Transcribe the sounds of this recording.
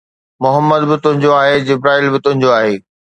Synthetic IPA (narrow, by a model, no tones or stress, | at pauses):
mʊɦəmːəd̪bɪt̪ʊ̃ɦɪ̃ɲd͡ʑoaːɦed͡ʑɪbɾaːiːlbɪt̪ʊ̃ɦɪ̃ɲd͡ʑoaːɦeː